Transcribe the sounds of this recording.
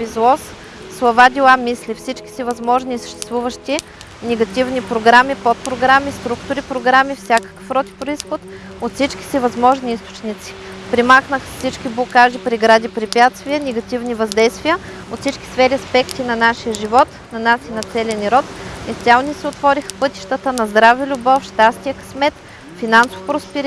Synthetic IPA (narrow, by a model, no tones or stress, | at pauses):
bizlˠɔsː | lˠɐvad̪ʲilˠamislifsit͡ʃkʲi̥sivɐzmɔʒniːsə̥ʃt̪ɛ̥st̪vuvəʃt̪i | nɛɡɐt̪ivnipɾoɡɾamipot̪̚pɾoɡɾamist̪ɾukt̪ʊɾipɾoɡɾamifsʲakə̥kə̥fɾɔt̪i̥pɾoisxot̪ | ot̪sit͡ʃki̥sivɐzmɔʒniist̪o̥t͡ʃnʲit̪si̥ | pɾimaxnəxəfsit͡ʃkʲiblˠokaʒipɾiɡɾad̪ipɾipʲjat̪st̪vʲiənɛɡɐt̪ʲivnivɐzd̪ɛjst̪vijə | ot̪sit͡ʃkʲi̥sfɛɾiɐspɛkt̪inɐnaʃijəʒivɔt̪ | nɐnasinɐt̪sɛlʲɛniɾɔt̪ist̪ʲjalˠnisɛot̪vɔɾixə̥pɤt̪i̥ʃt̪ət̪ənɐzd̪ɾavilʲubɔfʃt̪ast̪ijəkɐ̥smɛt̪ | finanso̥fpɾospɛɾ